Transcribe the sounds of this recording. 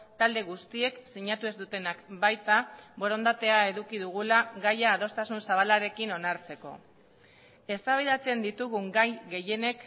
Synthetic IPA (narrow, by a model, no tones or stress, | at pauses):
t̪ald̪e̞ɣust̪ie̞ksiɲat̪ue̞zd̪ut̪e̞nakbajt̪abo̞ɾo̞nd̪at̪e̞ae̞ðukiðuɣ̞ulaɣajaːð̞o̞st̪asunsaβ̞alaɾe̞kino̞naɾt͡se̞ko̞̰ | e̞st̪aβ̞iðat͡se̞nd̪it̪uɣuŋɡajɣe̞je̞ne̞k